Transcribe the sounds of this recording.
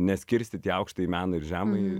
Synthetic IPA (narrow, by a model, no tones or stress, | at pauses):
nʲɛsʲkʲɪɾʲsʲt̪ʲɪt̪ʲiːɐʊkʃt̪ɐimʲæːnɐɪɾʒʲæːmɐɪ